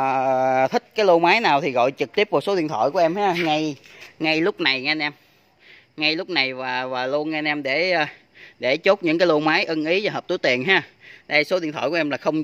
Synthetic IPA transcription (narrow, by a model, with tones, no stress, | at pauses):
t̪ʰï˦˥k̟̚kaː˨˦jlo˧maː˨˦jnaː˨˩wt̪ʰi˨˩ɣɔ̰˧˨jt͡ɕɨ˨˩k̚t̪i˦˥əp̚ku˨˩k̚so˨˦˥ḭ˧ənt̪ʰɔ̰ː˧˩jku˧˩˦ʔɛ˧mhaː˨˦˥ŋa˧jŋa˧jlʊ˦˥k͡p̚na˨˩jŋ˧nʔɛ˧m | ŋa˧jlʊ˦˥k͡p̚na˨˩jvaː˨˩vaː˨˩lu˧ənŋa˧nʔɛ˧mɗe˧˩˧ | ɗe˧˩t͡ɕo˦˥t̚ɲɨ̰˧˥ŋkaː˨˦lo˧maː˨˦jʔə˧nʔi˨˦zaː˧˨˩ɦəː˨˩t̪jt̪i˨˩ənɦaː˧˦ɗə˧jso˨˦ɗi˧˨ət̪ʰɔ̰ː˧˩ku˧˩˧ʔɛ˧mlaː˨˩xə˧wŋ͡m